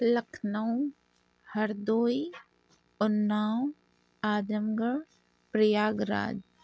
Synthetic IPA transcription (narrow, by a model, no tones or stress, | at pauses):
lɐkʰnəw̃ | hɐɾd̪oːi | ʊnːaːw | aːd̪əmɡəɾ | pɾəjaːɡɾa̰ːd͡ʒ